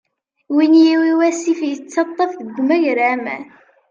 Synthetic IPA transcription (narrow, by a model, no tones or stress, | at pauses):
winjiwiwæsifjət͡sːɑt̪ˤːɑfðəɡʷmæʝɾʕæmæ̰